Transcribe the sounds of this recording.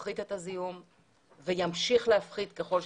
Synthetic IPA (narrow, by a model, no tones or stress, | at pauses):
χid̪et̪azijum | vejamʃiχleafχid̪ke̞χo̞lʃ